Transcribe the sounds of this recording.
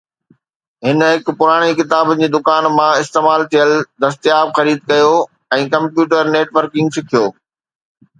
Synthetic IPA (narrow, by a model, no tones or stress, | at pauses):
ɦɪnɦɪkpʊɾaːɽ̃ikɪt̪aːbd͡ʑiːd̪ʊkaːnmãɪst̪eːmaːlt̪ʰijəld̪ɐst̪ijaːbxɐɾiːd̪̚kɐjo | ɛ̃ːkɐ̃mpjuːʈəɾneːʈʋəɾkɪ̃ŋɡsɪkʰijoː